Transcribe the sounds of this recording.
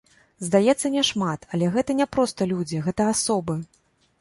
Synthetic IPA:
zd̪ajɛt̪sːɐnʲɛʂmat̪ɐlʲɛɣɛt̪ɐnʲɛpɾɔst̪ɐlʲud͡zʲiɣɛt̪ɐasɔbɨ

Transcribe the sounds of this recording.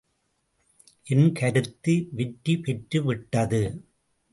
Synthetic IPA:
ʔɪnkʰɐɾɯt̪ːiʋɛʈːipɛʈɾɯʋɪʈːɐðɯ

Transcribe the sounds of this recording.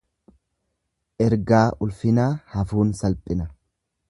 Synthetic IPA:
ʔɛɾɡaːʔʊlfɪnaːhɐfuːnsɐlpʼɪnɐ

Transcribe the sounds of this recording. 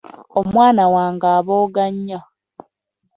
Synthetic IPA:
omwaːnawaːŋɡaːβoːɡaɲːa

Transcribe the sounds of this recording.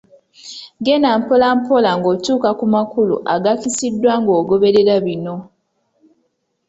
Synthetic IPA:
ɡenampolampo̞laŋɡoːtuːkakumakulṵʔaɡakisidːwaŋɡo̞ːɡo̞βe̞ɾeɾaβino̞

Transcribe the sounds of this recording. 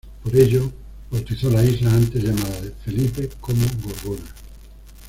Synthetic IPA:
poɾeʎo | bowt̪iθolaizlaãnt̪ezʝamaðaðefelipekomoɡoðuna

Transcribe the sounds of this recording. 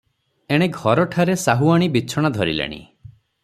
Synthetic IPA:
eɽ̃eɡʱɔɾɔʈʰaɾesaɦuaɽ̃ibit͡ʃʰɔɽ̃ad̪ʱɔɾḭlḛɽ̃ḭ

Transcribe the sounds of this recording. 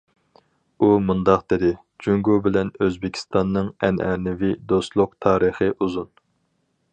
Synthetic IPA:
umund̪ɑqd̪ɪd̪ɪ | d͡ʒyŋɡubɪlɛnøzbɪkʲʰi̥st̪ɑnːɨŋɛnʔɛ̰nɪvid̪ost̪lˠʊq̚t̪ʰɑːɾəχəʔuzun

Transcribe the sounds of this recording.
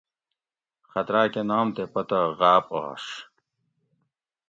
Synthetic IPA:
xɐt̪ɾaːkenaːmt̪epɐt̪ɐɣaːpa̰ːʂ

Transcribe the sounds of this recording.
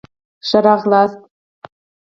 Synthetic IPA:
ʃɤ̆ɾɑʁlˠɑst̪̚

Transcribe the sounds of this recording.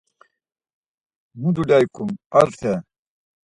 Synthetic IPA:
mud̪uɖajkumɐɾt̪ʰe

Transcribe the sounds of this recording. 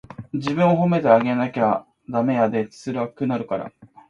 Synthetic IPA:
d͡ʑibɯ̟̃ɰ̃o̞ɦo̞me̞t̪eaɡe̞nakʲea | d̪ame̞jad̪e̞̥sɨɾɯakɯ̟naɾɯ̟kaɾa̰

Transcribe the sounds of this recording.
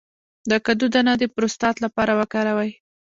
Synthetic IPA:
d̪əkad̪ud̪anad̪əpɾost̪ɑt̪lapɑɾawəkɑɾawaj

